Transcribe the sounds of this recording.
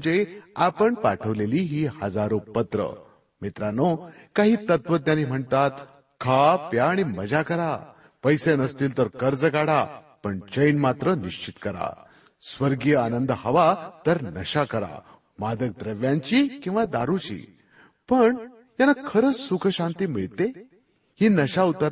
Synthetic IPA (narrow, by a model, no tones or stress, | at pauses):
d͡ʑeapəɳpaʈʰəʋleliːɦiːhəd͡zaɾopət̪ɾə̰ | mit̪ɾanokaɦiːt̪ət̪ʋət̪janːiːm̤əɳt̪at̪ | kʰapjaːɽ̃iməd͡ʑakəɾa | pəjsenəst̪iːlt̪əɾkəɾd͡zəɡaɽa | pəɳt͡ɕəjnmat̪ɾəniɕt͡ɕit̪kəɾa̰ | sʋəɾɡjəanənd̪əhəʋat̪əɾnəɕakəɾa̰ | mad̪ək̚d̪ɾəʋjãɲt͡ɕiːkĩw̃ʋad̪aɾut͡ɕḭː | pəɳ | janːakʰəɾət͡ssukʰəɕãnt̪iːmiɭt̪e | hiːnəɕaut̪əɾ